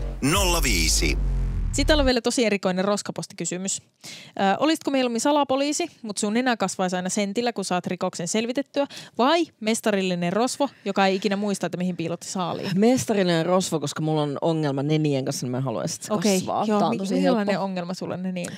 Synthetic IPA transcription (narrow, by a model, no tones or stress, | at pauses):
nolːɑʋiːsḭsit̪ːælːʋelæt̪osieɾikoinerroskɑpost̪i̥kysymys | ʔəːʔolist̪komejlomːinsɑlɑpoliːsimut̪sunːenækɑsʋɑisɑinɑsent̪ilːækunsɑːt̪rikoksenselʋit̪et̪ːyæʋɑimest̪ɑɾilːinerrosʋojokɑejikinæmuist̪ɑet̪ːæmihimpiːlot̪ːi̥sɑːlḭːmest̪ɑrilinerrosʋokoskɑmulːonoŋːelmɑnenieŋkɑnsːnmæɦɑluɑ̰isi̥t̪ːoɑkjʋʋɑ̰ːoɑnt̪osiselːɑneoŋːelmɑsulːḛnːenḭ